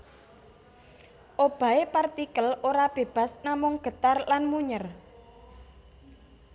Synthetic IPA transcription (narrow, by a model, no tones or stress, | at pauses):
ʔob̥ä̤epart̪ikəloɾab̥e̤b̥a̤snamʊŋɡ̥ə̤t̪arlanmuɲər